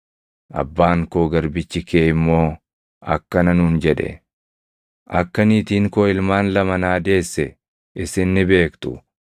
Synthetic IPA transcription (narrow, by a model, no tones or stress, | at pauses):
ʔɐ̰bːaːŋkoːɡɐɾbɪt͡ʃːɪkeːɪmːo̞ː | ɐ̰kːɐnɐnʊːnd͡ʒɛᶑɛ̰ | ʔɐkːɐniːt̪iːŋkoːɪlmaːnlɐmɐnaːd̪e̞ːsːɛ | ɪsɪnːɪbe̞ːkt̪ʊ